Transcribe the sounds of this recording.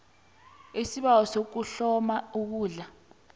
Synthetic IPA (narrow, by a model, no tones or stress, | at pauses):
esiɓawɔsok̬uɬɔmauk̬uːɮa